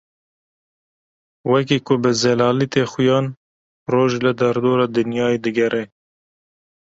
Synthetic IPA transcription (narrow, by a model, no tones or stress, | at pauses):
wɛk̬iːkʊbɨzɛlɑːlit̪eːxʊjɑːn | roːʒlɨd̪ɛɾd̪oːɾɑːd̪ɨnjɑːed̪ɨɡɛɾʔɛ